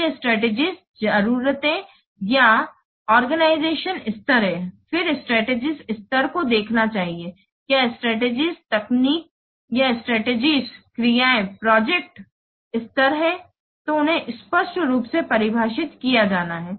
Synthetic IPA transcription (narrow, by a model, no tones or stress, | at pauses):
eɪsʈɾɛːʈeːd͡ʒiz | d͡ʒɐəɾuːɾət̪ẽ | ja | ɔːɾɡənaːɪzeːʃənɪst̪əɾɦɛ̃fɪɾɪsʈɾɛːʈeːd͡ʒizɪst̪əɾkod̪eːkʰnat͡ʃaːɦie | kjaːɪsʈɾɛːʈeːd͡ʒizt̪ɛkniːk̚ | jaɪsʈɾɛːʈeːd͡ʒizkɾijaːẽpɾɔːd͡ʒek̚ʈ | ɪst̪əɾɦɛ | t̪oʊnɦẽʔɪspəʃʈɾuːpsepɐɾɪbʱaːʃɪt̪kijad͡ʒaːnaɦɛː